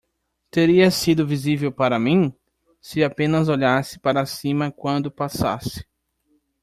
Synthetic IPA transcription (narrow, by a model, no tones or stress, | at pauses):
t̪eɾiɐsid̪ʊvizivewpaɾɐmĩ | sɪapẽnɐzoʎasɪ̥paɾɐsĩmɐkwɐ̃nd̪ʊpasa̰sɪ̥